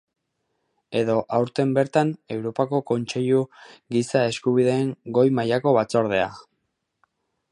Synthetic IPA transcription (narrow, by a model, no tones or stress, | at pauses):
e̞ðo̞ʔawɾt̪e̞mbe̞ɾt̪ane̞wɾo̞pako̞ko̞nt͡ʃe̞ʎuɡisae̞skuβ̞iðe̞ːŋɡo̞jmajako̞βat͡so̞ɾð̞e̞a̰